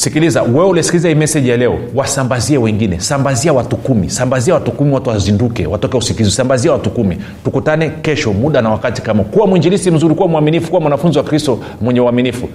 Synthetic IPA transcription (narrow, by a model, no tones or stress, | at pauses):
sikilizawɛulisi̥kilizahimɛsɛʄjalɛɔwasambaziɛwɛŋɡinɛsambaziawatukumḭsambaziawatukumiwatuwazindukɛwatɔkɛusikizisambaziawatukumi | tukutanɛkɛʃɔmuɗanawakati̥kamakuwamwiɲd͡ʒilisim̩zuɾikuwamuaminifukuwamwanafunziwakɾistɔ | mwɛɲɛuaminifu